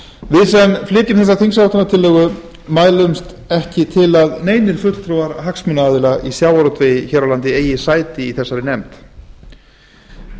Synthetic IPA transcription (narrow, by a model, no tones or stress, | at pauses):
vɪðsɛnflɪːcɪmθɛs̬ːaɾθiŋsawt̪anat̪ʰɪlːɛːɣʏ | maːjlʏmst̪ | ɛhcɪt̪ʰɪlaðneːjnɪɾ̥fʏt̪l̥t̪ʰɾuaɾɦaksmʏnaːðɪlaʔisjaːwaɾɔt̪ʰvejçɛɾawlant̪ɪeːjɪsaːjt̪ɪiθɛsːaɾɪnɛmt̪